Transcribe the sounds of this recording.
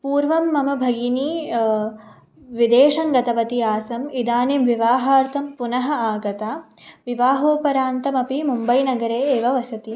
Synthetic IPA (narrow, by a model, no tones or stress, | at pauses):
puːɾʋɐmːɐmɐbʱɐɡini | ʋid̪eːʂɐŋɡɐt̪ɐʋɐt̪iaːsɐmid̪aːnemʋiʋaːɦaːɾt̪ʰɐmpunɐɦɐaːɡɐt̪aː | ʋiʋaːɦoːpɐɾaːnt̪ɐmɐpimumbɐjnɐɡɐɾeːeːʋɐʋɐsɐt̪i